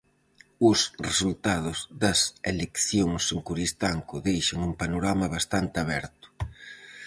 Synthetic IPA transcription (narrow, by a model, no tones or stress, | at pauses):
ʊsresult̪aðʊzðɐselekθjoŋseŋkuɾist̪aŋkʊðejʃɐŋumpanoɾamɐβ̞ast̪ant̪ɪaβɛ̰ɾt̪ʊ̥